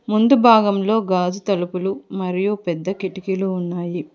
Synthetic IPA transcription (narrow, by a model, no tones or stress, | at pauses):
mund̪ubʱaːɡɐmlo̞ːɡaːd͡ʒut̪ɐlupulumɐɾijupɛd̪ːɐkiʈikiluːnːaːji